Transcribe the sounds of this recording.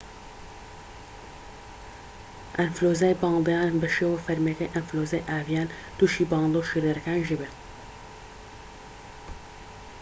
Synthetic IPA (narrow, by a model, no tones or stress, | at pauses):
ʔɐnfloːzaːjbɑːnd̪jaːnbɐʃeːwɐfɐɾmekɐjʔɐnfloːzaːjʔaːvjaːn | t̪uʃiːbɑːnd̪oːʃiɾeɾɐkaːnʒɪbɛ